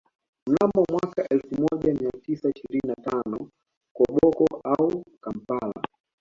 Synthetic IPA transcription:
m̩namɔmwakaʔɛlfumɔʄamiatisaiʃiɾininatanɔ | kɔɓɔkɔaukam̩pala̰

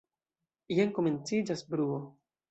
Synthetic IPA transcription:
ijenkome̞nt͡sid͡ʒasbɾuo

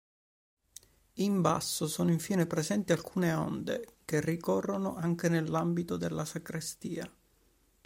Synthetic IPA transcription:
imba̰sːosoːnoiɱfiːnepɾezɛnt̪ialkʰuːneo̰nd̪ḛk̟erːikɔrːono̰ʔaŋk̟enelːambit̪od̪elːasakɾist̪iːa

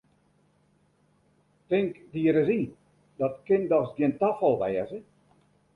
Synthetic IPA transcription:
tɪŋkdiəɾəzi | d̥ɔtkɪndɔsɡjiəntafɔlˠʋɛːəzə

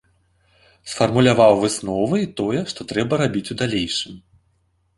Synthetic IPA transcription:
sfɐrmulʲavawvɨsnɔvɨit̪ɔjɛʂt̪ɔt̪ɾɛbɐɾabʲit͡sʲud̪alʲejʂɨm

